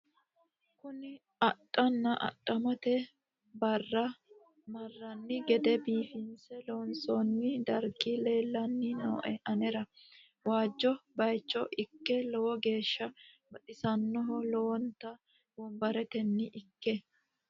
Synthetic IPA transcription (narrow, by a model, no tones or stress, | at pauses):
kʊnɪ | ɐtʼːɐnːɐʔɐ̰tʼːɐmɐt̪ɛ | bɐrːɐ | mɐrːɐnːɪɡɛd̪ɛbiːfɪnsɛlɔnsɔnːɪd̪ɐɾɡɪle̞ːlːɐnːɪnoːʔɛʔɐnɛɾɐ | waːd͡ʒːɔbɐjt͡ʃːɔʔɪkːɛlɔwɔɡe̞ːʃːɐ | bɐt̪ʼɪsɐnːɔɦɔlɔwɔnt̪ɐ | wɔmbɐɾɛt̪ɛnːɪʔɪkːɛ